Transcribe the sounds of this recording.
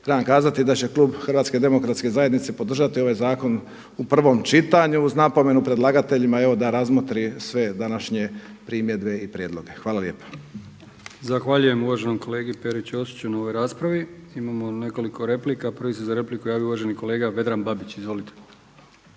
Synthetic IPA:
t̪ɾeʋamkaːzat̪id̪at͡ɕe̞kluːbxr̩ʋat̪ske̞d̪e̞mo̞kɾat̪ske̞zaje̞d̪nit̪se̞po̞d̪r̩ʒat̪ioʋajzaːko̞n | upr̩ʋo̞mt͡ʃit̪aɲuuznapo̞me̞nupɾe̞d̪lˠaɡat̪e̞ʎimae̞ʋo̞d̪aɾazmot̪ɾisʋe̞d̪anaʃɲe̞pɾimje̞d̪be̞ipɾjed̪lˠo̞ɡe̞xʋaːlalje̞ːpḁ | zaxʋaʎuje̞muʋaʒenomkoleːɡipeɾit͡ɕosi̥t͡ɕunaoʋo̞jɾaːspɾaʋiimamone̞ko̞liko̞ɾe̞plikapɾʋisezaɾe̞plikujaːʋjouʋaʒeniko̞le̞ːɡaʋe̞d̪ɾanbabit͡ɕizʋo̞lit̪ʰe̥

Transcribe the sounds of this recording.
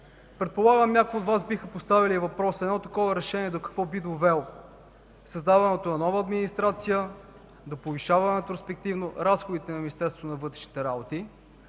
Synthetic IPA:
pɾɛt̪̚polˠaɡəmnʲakoʊjotd̪vasbixəpost̪avilivɐpɾɔsəɛd̪nɔt̪ɐkɔvɐɾɛʃɛniɛd̪okɐ̥kvɔbid̪ovɛlˠ | sɐzd̪avɐnɛt̪onɐnɔvɐːd̪minist̪ɾat̪sijə | d̪opoviʃavɐnɛt̪ɾospɛk̚t̪ivnoɾasxod̪it̪ɛnɐminist̪ɛɾst̪vot̪onɐvɤt̪ɾɛʃni̥t̪ɛɾabot̪i

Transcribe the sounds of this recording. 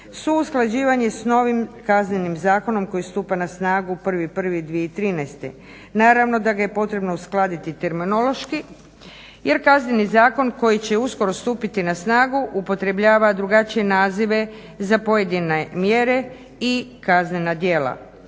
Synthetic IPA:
suusklˠad͡ʑiːʋaɲesno̞ʋimkaznenimzaːko̞no̞mko̞jist̪uːpanasnaːɡupr̩ʋipr̩ʋid̪ʋije̞it̪ɾiːnajst̪e̞̰ | naːɾaʋno̞d̪aɡaje̞po̞t̪ɾe̞bnousklˠaːd̪it̪it̪e̞ɾmino̞lo̞ʃki | je̞ɾkaznenizaːko̞nko̞jit͡ɕe̞usko̞ɾo̞st̪uːpit̪inasnaːɡuʔupo̞t̪ɾe̞bʎaːʋad̪ɾuɡat͡ʃije̞naːziʋe̞ | zapo̞je̞d̪inemje̞ɾe | ikazne̞nad̪jeːla̰

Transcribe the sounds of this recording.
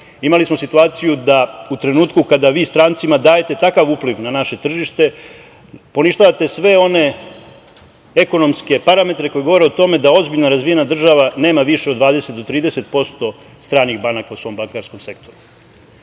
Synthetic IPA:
imalismo̞sit̪uaːt̪sijud̪aut̪ɾe̞nuːt̪kukad̪aʋiːst̪ɾaːnt̪simad̪aːje̞t̪e̞t̪akaʋuːpliʋnanaʃe̞t̪r̩ʒiʃt̪e̞ | po̞niʃt̪aʋat̪e̞sʋe̞o̞ne̞ | eko̞no̞mske̞paɾame̞t̪ɾe̞ko̞jeɡo̞ʋo̞ɾeot̪o̞me̞d̪ao̞zbiʎnaɾazʋije̞nad̪r̩ʒaʋane̞ːmaʋiʃeod̪ʋaːd̪e̞se̞t̪d̪o̞t̪ɾiːd̪e̞se̞t̪̚po̞st̪o̞ | st̪ɾaːniɣbanakausʋo̞mbaŋkaːɾsko̞mse̞kt̪o̞ɾu

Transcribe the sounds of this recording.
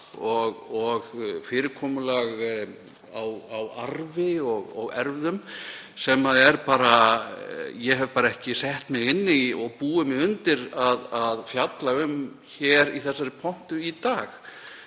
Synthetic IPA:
ɔɣɔɣfɪːɾɪɾkʰɔːmʏlaɣ | awawaɾvɪɔɣɔɣɛɾvðʏmsɛmːaðɛɾpaːɾa | jɛɦɛvpaːɾaɛhcɪsɛht̪mɪɣɪnːɪɔɣpuːʏmɪʏnt̪ɪɾaðaðfjat̪laʏm | çɛɾiθɛsːaɾɪpʰɔn̥t̪ʏit̪aːx

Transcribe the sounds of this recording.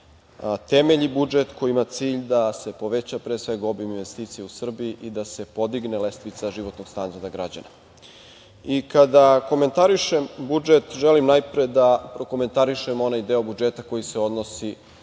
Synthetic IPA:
t̪e̞meʎibud͡ʒet̪kojiimat̪siːʎd̪ase̞po̞ʋet͡ɕapɾesʋe̞ɡobiminʋe̞st̪iːt̪sijeusr̩biiʔid̪ase̞po̞d̪iɡnelest̪ʋit̪saʒiʋo̞t̪no̞ɡ̥st̪and̪aɾd̪aɡɾad͡ʑa̰na | ikad̪ako̞me̞nt̪aɾiʃembud͡ʒet̪ʒelimnajpɾed̪apɾo̞ko̞me̞nt̪aɾiʃemo̞najd̪eo̞bud͡ʒet̪ako̞jiseo̞d̪nosi

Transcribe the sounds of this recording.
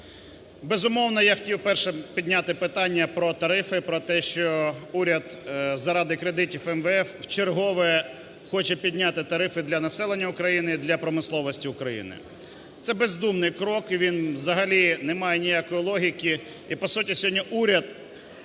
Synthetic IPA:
bezʊmɔwnɔjaxtʲiwpɛrʃɛpʲid̪ʲnʲat̪ɪpɪt̪ɑnʲːɐpɾɔt̪ɐɾɪfɪpɾɔt̪ɛʃt͡ʃɔuɾʲɐd̪zɐɾɑd̪ɪkɾed̪ɪtʲifɛmʋeɛfwt͡ʃerɦɔʋɛɛ | xɔt͡ʃɛpʲid̪ʲnʲat̪ɪt̪ɐɾɪfɪd̪lʲɐnɐsɛlˠenʲːɐʊkɾɐjinɪid̪lʲɐpɾɔmɪslˠɔʋɔsʲtʲiʊkɾɐjḭnɪ̰ | t̪sɛbezd̪umnɪjkɾɔkiʋʲinʋzɐɦɐlʲinɛmɑjɛnʲijakɔjilˠɔɦʲikʲi | ipɔsutʲisʲɦɔdʲnʲːiʔuɾʲɐd̪̥

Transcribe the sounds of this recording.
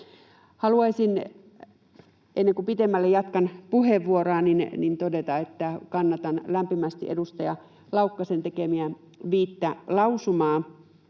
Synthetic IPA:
hɑluɑisin | ʔenːeŋkupit̪emːælːejɑt̪kɑnpuheʋːuorɑːˑninnint̪odet̪ɑet̪ːækɑnːɑt̪ɑnlæmpimæst̪ḭʔḛdust̪ɑjɑ | lɑukːɑsent̪ekemiæ | ʋiːt̪ːælɑusumɑː

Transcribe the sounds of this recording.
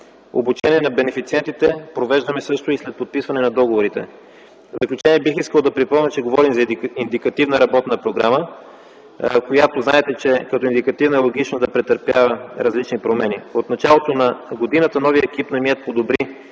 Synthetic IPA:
o̰but͡ʃɛnʲiɛnɐbɛnɛfit̪siɛnt̪it̪ɛpɾovɛʒd̪əmɛsɤʃt̪oislɛt̪̚pot̪̚pisvɐnɛnɐd̪ɔɡovoɾit̪ɛ̰ | vzəklʲut͡ʃɛniɛbixiskəlˠd̪ɐpɾipɔmnʲət͡ʃɛɡovɔɾimzɐind̪ikɐt̪ivnəɾɐbɔt̪nɐpɾoɡɾamə | kojat̪oznaɛt̪ɛt͡ʃɛkɐt̪ɔind̪ikɐt̪ivnəɛlˠoɡit͡ʃnɐd̪ɐpɾɛt̪əɾpjavəɾɐzlit͡ʃnipɾomɛniot̪nɐt͡ʃalˠot̪onɐɡod̪inət̪ənɔviəɛkipnɐmiɛt̪̚pod̪obɾi

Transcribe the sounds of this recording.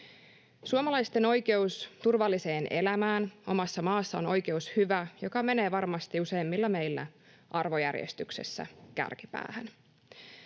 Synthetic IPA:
suomɑlɑjst̪e̞no̞jke̞ust̪urʋɑlːise̞ːnʔe̞̰læmæːno̞mɑsːɑmɑːsːɑo̞no̞jk̟e̞ushyʋæjo̞kɑme̞ne̞ːʋɑrmɑst̪iuse̞jmːilːɑme̞jlːæ̰ | ʔɑrʋo̞jæ̰rjḛst̪ykse̞̰sːæ̰kæ̰rkipæ̰ːhæn

